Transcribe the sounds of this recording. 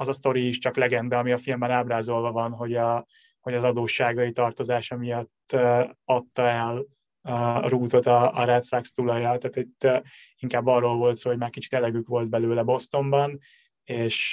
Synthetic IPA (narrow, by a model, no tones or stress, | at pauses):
ɒzɒst̪o̞ɾiːʃt͡ʃɒklɛɡɛnd̪ɛɒmiɒfilmbɛnaːbraːzo̞lvɒvɒnɦo̞ɟɒ | ho̞ɟɒzɒd̪oːʃːaːɡɒit̪ɒrt̪o̞zaːʃɒmijɒt̪ːøɒt̪ːɒɛl | ruːt̪o̞t̪ɒ̰ːɾɛt̪sakst̪ulɒjɒt̪aːt̪it̪ː | iŋkaːbːɒrːo̞lvo̞lt̪soːho̞ɟmaːrkit͡ʃi̥t̪ɛlɛɡykʋo̞lt̪̚bɛløːlɛbo̞st̪o̞mbɒn | eːʃ